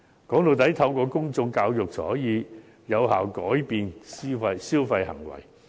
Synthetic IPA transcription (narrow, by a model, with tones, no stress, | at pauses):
kɔː˨˥ŋlo˨˩wt̪̬ɐ˨˥jt̪ʰɐ˧wkɔː˧kʊ˥ŋt͡sʊ˧ŋkaː˧wjʊ˨k̚t͡sɔ̰ː˨˥jiː˨˧ | jɐ˨˧whaː˨wkɔː˨˥jpiː˨nsiː˥fɐ˧jsiː˥wfɐ˧jhɐ̰˨˩ŋwɐ̰˨˩j